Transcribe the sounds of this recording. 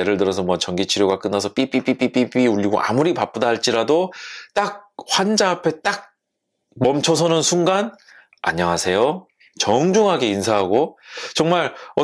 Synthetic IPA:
eɾɯɭtɯɾʌsʰʌmwʌt͡ɕʌŋɡit͡ɕʰiɾjoɡak͈ɯnːas̬ʰʌp͈ip͈ip͈ip͈ip͈ip͈iuʎːiɡo̰ʔa̰muɾipap͈̚odaɦaɭt͡ɕ͈iɾadot͈ak̚ɸwand͡ʑaːpʰe̞t͈ak̚ | mʌmt͡ɕʰʌs̬ʰʌnɯnsʰuŋɡan | a̰ɲːʌŋasʰe̞jo | t͡ɕʌŋd͡ʑuŋɦaɡe̞insʰaɦaɡot͡ɕʌŋmaɾʌ

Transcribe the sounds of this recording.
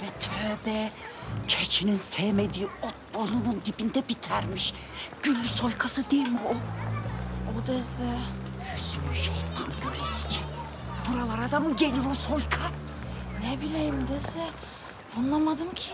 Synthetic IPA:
vɛt̪ʰøːbɛcʰet͡ʃʰininsejmed̪iːot̪̚bolˠunund̪ipind̪ɛbit̪ʰæɾmiʃ | ɟ̥ylʲːysojkʰasɯd̪elmio | od̪asɯjyzymyʃejt̪k̪ʰamɟøɾesi̥t͡ʃʰɛ | b̥uɾalˠaɾad̪amɟelʲiɾosojkʰa | nɛbilʲejimd̪esɛ | onlˠamad̪ɯmcʰi

